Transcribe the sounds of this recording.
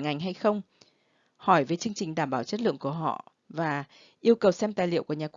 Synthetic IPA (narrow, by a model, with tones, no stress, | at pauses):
ŋa˨˩jŋ̟ɦa˧jxə˧wŋ͡m | hɔ˧˩jve˨˩jt͡ɕɨ˧əŋt͡ɕi˨˩ŋ̟ɗaː˧˩mɓaː˧˩wt͡ɕə˦˥t̚lɨ̰˧˨əŋku˧˩əɦɔ̰˧˨ | vaː˨˩ | ʔi˧əwkə˨˩wsɛ˧mt̪aː˨˩jlḭ˧˨əwku˧˩əɲaː˨˩kw